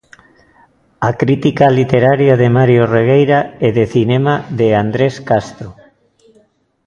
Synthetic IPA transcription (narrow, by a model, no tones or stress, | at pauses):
akɾit̪ikalit̪eɾaɾjaðemaɾjoreɣ̞ejɾaeðeθinemaðeand̪ɾeskast̪ɾo